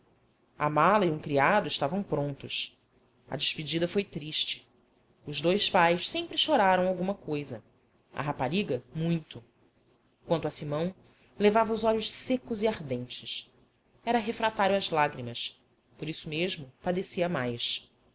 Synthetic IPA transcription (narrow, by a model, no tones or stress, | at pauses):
ɐ̰malɐiũkɾiad̪ʊɪʃt̪avɐ̃w̃pɾõnt̪ʊs | ɐ̰d͡ʒɪʃpid͡ʒid̪ɐfojt̪ɾiʃt͡ʃɪ̥ | ʊʒd̪ojspajʃsẽpɾɪʃoɾaɾɐ̃w̃awɡũmɐkojzɐ | ɐ̰ɦapaɾiɡɐmũj̃t̪ʊ | kwɐ̃nt̪ʊɐsimɐ̃w̃ | levavɐʊzɔʎʊʃsekʊziahd̪ẽnt͡ʃɪʃs | ɛɾɐɦefɾat̪aɾjwɐzlaɡɾimɐs | poɾisʊmeʒmʊpad̪esiɐmajs